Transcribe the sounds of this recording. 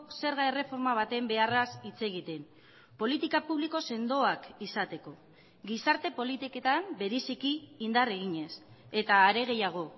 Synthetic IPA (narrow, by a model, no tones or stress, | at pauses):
se̞ɾɣaere̞fo̞ɾmaβ̞at̪e̞mbe̞arasit͡se̞ɣ̞it̪e̞n | po̞lit̪ikapuβliko̞se̞nd̪o̞akisat̪e̞ko̞ | ɡisaɾt̪e̞po̞lit̪iket̪ambe̞ɾisikiːnd̪are̞ɣ̞iɲe̞s | e̞t̪aːɾe̞ɣ̞e̞jaɣ̞o̞